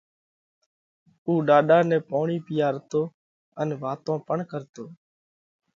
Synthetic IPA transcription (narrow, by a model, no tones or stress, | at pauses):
uːɗaːɗaːnɛ̃ːpoːɳiːpɪjaːɾət̪oː | ənʋaːt̪õːpəɳkəɾt̪oː